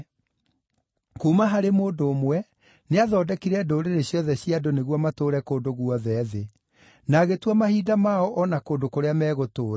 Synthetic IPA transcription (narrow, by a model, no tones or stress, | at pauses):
kuːmaɦaɾemoːndoːmwɛ | neaðɔːdɛkiɾɛdoɾeɾeɕjɔðɛɕiadoneɣwɔmatoːɾɛkoːndoɣuɔðɛːðe | naɣetwamahiːdamaɔʔɔnakoːndokoɾeamɛːɣotoːɾ